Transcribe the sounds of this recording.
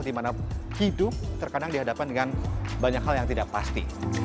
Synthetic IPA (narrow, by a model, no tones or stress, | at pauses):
dimanahidʊt̪ərkadaŋdiɦadapandəŋanbaɲakhaljaŋt̪idaʔ̚past̪ḭ